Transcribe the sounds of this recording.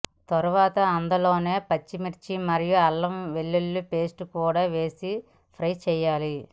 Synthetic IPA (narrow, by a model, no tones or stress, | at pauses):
t̪ɐɾuʋaːt̪ɐːnd̪ɐlo̞ːne̞ːpɐt͡ʃːimiɾt͡ʃimɐɾijuɐlːɐmʋeɭːulːupe̞ːsʈukuːɽaːʋe̞ːsi | pʰɾɐjt͡ʃɛːjaːli